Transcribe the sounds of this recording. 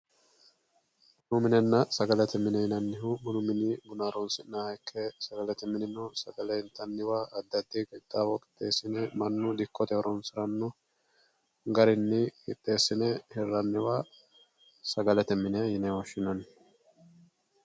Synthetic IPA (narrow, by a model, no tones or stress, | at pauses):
nʊmɪnɛnːɐsɐɡɐlɛt̪ɛmɪnɛjɪnɐnːɪɦʊmʊnʊmɪnɪbʊnaːɾɔnsɪnnɐɐɪkʰːɛsɐɡɐlɛt̪ɛmɪnɪnɔsɐɡɐlɛɪnt̪ːɐnːɪwaːʔɐd̪ːɐd̪ːɪkɪd̪ːawɔkʼɪ̥t̪ːeːsɪnɛmɐnːʊd̪ɪkʰːɔt̪ɛwɔɾɔnsɪɾɐnːʊ | ɡɐɾɪnːɪkɪt̪ʼːe̞ːsːɪnɛhɛrːɐnːɪwaː | sɐɡɐlɛt̪ɛmɪnɛjɪnɛwɔʃːɪnɐn